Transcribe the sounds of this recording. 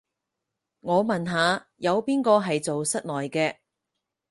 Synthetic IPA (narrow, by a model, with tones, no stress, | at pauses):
ŋɔː˨˧mɐ˨nɦaː˨˧ | jɐ˨˧wpiː˥nkɔː˧ɦɐ˨jt͡so˨wsɐ˥t̚nlɔː˨jkɛː˧